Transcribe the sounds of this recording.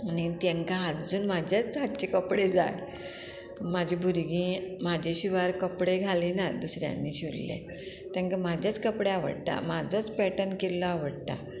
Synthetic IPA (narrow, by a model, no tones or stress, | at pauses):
anit̪jãŋkãɦat̪d͡zuːnmad͡ʑʱjat͡sɦat̪̚t͡ɕekəpɽed͡za̰j | mad͡ʑʱibʱuɾɡĩːmad͡ʑʱeɕiʋaɾkəpɽeɡʱaliːnad̪usɾja̰nːiːɕiɾlḛ̃ | t̪jãŋkamad͡ʑʱjat͡skəpɽeaʋə̰ɽt̪a̰mad͡zot͡spɛʈənkelːɔaʋəɽt̪a̰